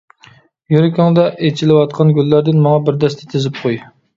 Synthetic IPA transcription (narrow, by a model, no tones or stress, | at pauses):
juɾɪkʲɑŋd̪ɛʔet͡ʃʰilɪwɑt̪̚qʰɑnɡʲylːæɾd̪ɪnmɑŋɑbɪɾd̪ɛst̪ʰɪ̥t̪ʰɪzɪp̚qʰoj